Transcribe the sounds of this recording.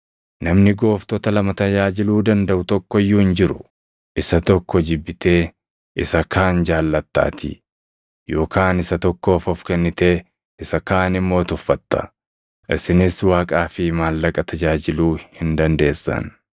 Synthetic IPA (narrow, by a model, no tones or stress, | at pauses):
nɐmnɪɡo̞ːft̪ɔt̪ɐlɐmɐt̪ɐd͡ʒaːd͡ʒɪluːd̪ɐnd̪ɐʔʊt̪ɔkːɔjːuːhɪnd͡ʒɪɾʊ | ʔɪsɐt̪ɔkːɔd͡ʒɪbːɪt̪e̞ː | ɪsɐkaːnd͡ʒaːlːɐt̪ːa̰ːt̪ʰɪ̰ | jo̞ːkaːnɪsɐt̪ɔkːo̞ːfɔfkɛnːɪt̪e̞ː | ɪsɐkaːnɪmːo̞ːt̪ʊfːɐt̪ːɐ̥ | ʔɪsɪnɪswaːkʼaːfɪmaːlːɐkʼɐt̪ʰɐd͡ʒaːd͡ʒɪluːhɪnd̪ɐnd̪e̞ːsːɐ̰n